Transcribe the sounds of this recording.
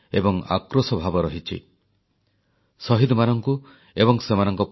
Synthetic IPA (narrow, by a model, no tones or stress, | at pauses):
ḛbɔŋa̰kɾosɔbʱabɔɾɔɦit͡ʃʰḭ | sɔɦid̪ɔmanɔŋku | ebɔŋsemanɔŋkɔp